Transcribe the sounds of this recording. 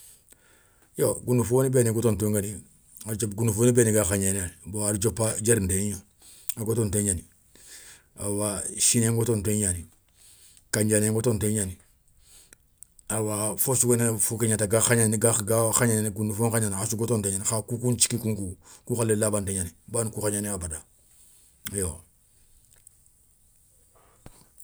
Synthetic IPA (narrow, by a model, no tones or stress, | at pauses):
joɡunufonibeniɡotontoŋɡani | aɾd͡ʒopɡunufoːnibeniɡaxaɲanaboaɾd͡ʒopːad͡ʒeɾnteɲo | aɡotonteɲani | awaʃineŋɡotonteɲani | kaɲd͡ʒaneŋɡotonteɲani | awafosuɡenefukeɲataɡaxaɲaniɡaɡaxaɲanniɡundufoŋkaɲanasuɡotonteɲanixakukunt͡ʃi̥kikuŋkukuxalːelabanteɲanibankuxaɲaniabada | jo